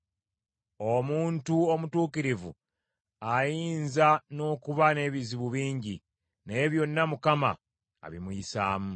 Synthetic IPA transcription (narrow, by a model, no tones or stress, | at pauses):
omuːntuomutuːkiɾivṵ | ajiːnzano̞ːkuβane̞βiziβuβiːɲɟḭ | ne̞ːβjo̞nːamukama̰ | a̰βḭmujisa̰ːmu